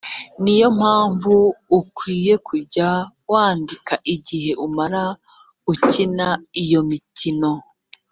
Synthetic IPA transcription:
nijo̞m̥aːɱvuːkwiːje̞kʰuɾɟa | waːndikaʔiɟiɦe̞ʔumaɾa | ucinaijo̞mitino̞

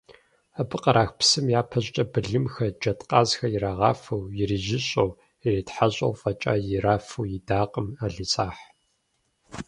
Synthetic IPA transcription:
abɨqʼɐɾaːxpsɨmjaːpʰɐɕʼt͡ʃʼɐbɨɮɨmxɐd͡ʒɐtʰʼqʼɑːzxɐjɪɾaːʁɑ̰ːfɐwjɪriʒɪɕʼow | ɪreːtħaɕʼɐ̰wfʼɐt͡ʃʼa̰ːjɪɾaːfuwjɪdaːqʼəmaːɮɨt͡sʼaːħ

